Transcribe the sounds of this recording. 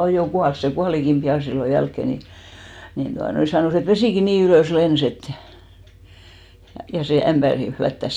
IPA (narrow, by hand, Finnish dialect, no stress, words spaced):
oj jo kuɑls se kuɑlikim pij̆ɑˑ silːo jælkːeˑ ni nin tuɑnoi sɑnoˑs et ʋesiˑki niːn yløˑs lens et jɑ seˑ æmb̥ærin̞ flætːæs